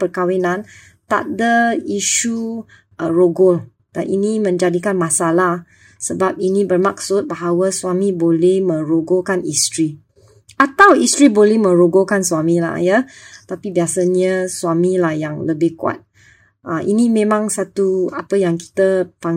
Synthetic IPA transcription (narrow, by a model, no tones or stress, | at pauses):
pərkawinãn | t̪a̰ʔ̚dəiʃu | əroɡɔl | d̥a̰nʔḭnimə̃ɲd͡ʒadikanmãsalah | səbap̚inĩbərmak̚sʊt̪̚baɦawəsuamĩbolɛhmə̃ɾoɡokanist̪ɾi | at̪awist̪ɾibolɛhmə̃ɾoɡokanswamila̰jət̪apibiasəɲəswamilahjaŋləbɪhkua̰t̪̚ | əʔḭnimẽmãŋsat̪uapəjaŋki̥t̪əpaŋ